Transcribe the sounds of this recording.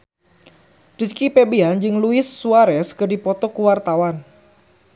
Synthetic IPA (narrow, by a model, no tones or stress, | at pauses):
diskipebeand͡ʒɨŋluɪsːuaɾɛskɨrdipɔt̪ɔkuwart̪awan